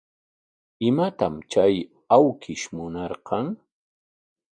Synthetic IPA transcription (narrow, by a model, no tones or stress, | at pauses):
ɪmat̪amt͡ʃaj | awkʰɪʃmʊnɑɾqɑŋ